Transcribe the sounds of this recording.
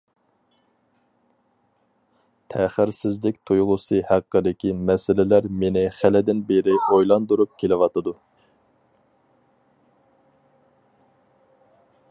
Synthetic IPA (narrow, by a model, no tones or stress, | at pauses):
t̪ʰæχɪɾsɪzlɪk̚ʲt̪ʰujʁʊsɨhæqːəd̪ɪkʲimɛsɪlɪlæɾmenɪχælɪd̪ɪnbeɾɪojlˠɑnd̪uɾup̚kʲʰelɪwɑt̪ɨd̪u